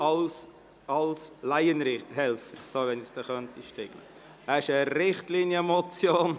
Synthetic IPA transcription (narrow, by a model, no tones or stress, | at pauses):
s | ɑlslaɪənɾɪhɛlfəɾsovɛnisd̥ɛχœnt̪iʃtɪɡ̥lə̰ | æɪʃəɾɪχtlinjəmɔt͡sjoːn